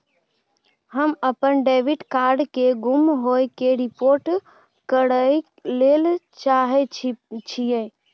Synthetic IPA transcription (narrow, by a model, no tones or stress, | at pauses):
ɦəməpənɖeʋiɖkaɾɖkeɡumɦojkeɾipoɾʈ | kəɽəj | lelt͡ʃaɦɛt͡ʃʰijẽ